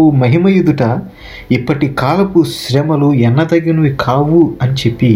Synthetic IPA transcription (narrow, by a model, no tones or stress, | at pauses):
umɐɦimɐjud̪uʈɐ | ipːɐʈikaːlɐpuʃɾɛmɐluɛnːɐd̪ɐɡɐnuʋikʰaːʋuɐnit͡ʃe̞pːi